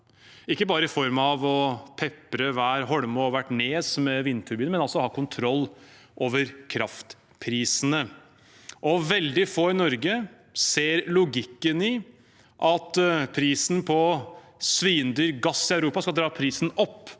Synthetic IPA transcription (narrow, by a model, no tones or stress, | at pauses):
ɪkːəbɑːɾəɪfɔɾmɑʋɔpʰɛpːɾəʋæːɾɦɔɽmɔɔʋæʈːɳeːsmɛʋɪnːt̪ʰʉɾbiːnmɛnɑlsɔhɑːkʰʊnt̪ʰɾɔlː | ʔoːʋəɾkʰɾɑft̪ | pʰɾiːsnə | ʔɔʋɛld̪ɪfoːɪnɔɾɡə | seːɾlʊɡɪkːənɪ | ʔɑt̪pʰɾiːsn̩pʰɔ | sʋiːənd̪yːɾɡɑsːɪœʉɾuːpɑskɑld̪ɾɑːpʰɾiːsn̩ɔpː